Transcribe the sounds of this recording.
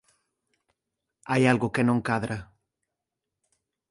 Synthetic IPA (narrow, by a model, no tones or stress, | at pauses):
ajalɣʊkenõŋkaðɾa